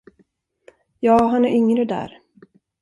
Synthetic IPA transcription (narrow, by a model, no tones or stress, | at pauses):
jɑːɦanæɾʏŋɾəd̪æ̰ːɾ